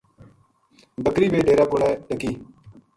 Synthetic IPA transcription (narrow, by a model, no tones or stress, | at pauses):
bəkɾiːbeːɖeːɾaːkoːɽaːɗəkiː